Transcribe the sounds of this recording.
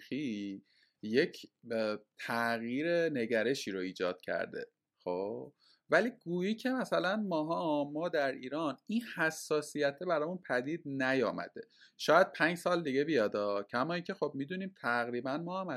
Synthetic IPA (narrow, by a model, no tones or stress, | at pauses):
i | je̞cʰ | t̪ʰæɣjiːɾene̞ɟæɾe̞ʃiːɾoiːd͡ʒɒːd̪̥cʰæ̰ɾd̪e̞̰ | xoːb | væliːɡuːjiːcʰe̞mæsælænmɒːɦɒmɒːd̪æɾiːɾɒːninhæsːɒːsijæt̪ʰːebæɾɒːjmunpʰæd̪iːd̪̚næjɒːmæ̰d̪̥e̞ʃɒːjæd̪̥̚pʰæːɲd͡ʒsɒːld̪iɡe̞bijɒːd̪ɒːcʰæmɒːiːŋcʰexob̚miːd̪uniːmt̪ʰæɣɾiːbænmɒːhæmæ